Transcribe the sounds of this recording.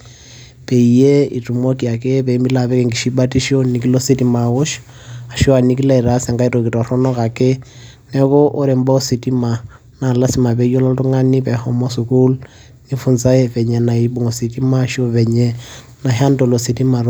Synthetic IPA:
pe˨i˨je˦i˨tu˨mo˦ki˨a˨ke˦pe˨˦mi˦la˨βɛ˦kɛ˦ŋɡi˨ʃi˦ba˦ti˦ʃo˦ni˨ki˦lo˦si˦ti˦ma˨wo˦ʃ | a˨ʃo˦a˨ni˦ki˦la˦i˨ɾa˦sa˨ŋɡa˦i˦to˨ki˨tɔ˨ɾɔ˦nɔ˦ka˨ke˦ | nɛ˦kɔ˦ʔo˦ɾe˨mba˦o˦si˨ti˦ma˨ | na˨la˦si˨ma˨pe˨ijo˦lɔ˦tu˦ŋa˦ni˦pɛ˨hɔ˦mo˦su˨ku˦l | ni˦fu˨nt͡sa˦e˦fɛ˨ɲɛ˨na˨i˨˦ɓu˦ŋo˨si˨ti˦ma˦˨ʃo˦βɛ˨ɲɛ˦ | na˨ɦa˦ndo˨lo˨si˨ti˦ma˨ɾ

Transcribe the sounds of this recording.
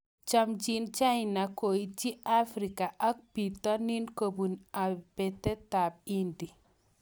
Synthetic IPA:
t͡ʃa˦md͡ʒi˦nt͡ʃa˦i˨na˨ko˨i˦t͡ʃi˦ʔa˦fɾi˨ka˨ʔa˦k̚pi˨tɔ˦ni˦nko˨bu˨na˨pɛ˨tɛ˦ta˨b̚i˦ndi˨

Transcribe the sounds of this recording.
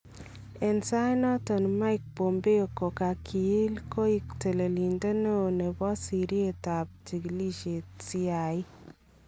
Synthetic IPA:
ɛ˨nsa˦nɔ˦tɔ˨nma˦ɪk̚bo˨mbe˦o˨ko˨ka˨kʰi˨i˦lko˦i˦kte˨le˨li˨nde˦no˦˨ne˨bɔ˦si˨ɾi˦e˨ta˨p̚t͡ʃi˨ɡli˦ʃe˨tsi˦a˨ɪ˦

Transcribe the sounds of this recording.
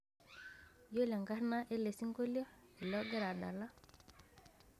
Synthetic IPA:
jo˦la˨ŋka˦ɾna˦ʔe˦le˨si˦ŋko˦lo˦e˨lo˦ɡe˦ɾa˨ɗa̰˨la˦

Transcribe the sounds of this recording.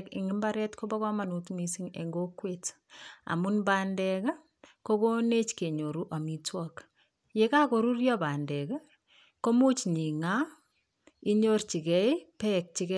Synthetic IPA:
kḭ˨ŋi˦mbaɾɛ˦tko˦ba˦kɔ˦ma˨nu˨tmi˦si˦ŋḛŋɡo˦kwet | a̰˨mu˦nbaːndɛk | ko˦ko˦ne˦t͡ʃke˨ɲo˨ɾu˦ʔa˨mi˦twɔk | je˦ka˦koɾu˦rjɔba˨ndɛ˨k | ko˦mu˦t͡ʃɲi˨ŋa | i˦ɲo˦rt͡ʃi˨kɛ˦pɛk̚t͡ʃi˨kɛ

